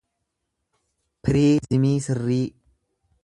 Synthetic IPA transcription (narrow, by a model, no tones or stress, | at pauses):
pʰɪɾiːzɪmiːsɪrːiː